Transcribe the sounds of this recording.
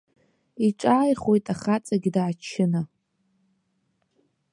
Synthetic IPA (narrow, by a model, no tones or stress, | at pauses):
iʈ͡ʂʷʼaːjχwo̞jtʼaχat͡sʼaɡʲdaːt͡ʃʰːɪna